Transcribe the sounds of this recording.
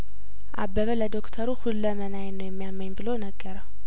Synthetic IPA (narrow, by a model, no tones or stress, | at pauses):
ʔa̰bːəβələd̪o̞kt̪ʰəɾuhulːəmənajnːəwjɛmːijamːəɲbɨlonəɡːəɾəw